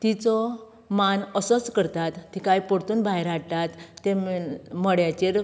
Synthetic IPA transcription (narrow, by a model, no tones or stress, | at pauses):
t̪it͡sɔ | manəsɔt͡skəɾt̪at̪ːikajpɔɽt̪uːnbʱaɦjɾaɽt̪at̪ːemɔɽjat͡ɕeɾ